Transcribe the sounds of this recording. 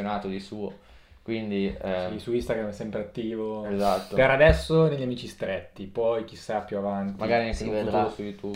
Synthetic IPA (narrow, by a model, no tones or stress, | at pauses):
onaːt̪od̪isuːo | kwind̪iisuist̪aɡɾamɛsɛmpɾeat̪ːiːvoezat̪ːoɡaɾad̪ɛsːoneʎːamiːt͡ʃist̪ɾɛt̪ːipɔjk̟isːapːjuavant̪maɡaːɾinek̪ɾsujut̪ʰu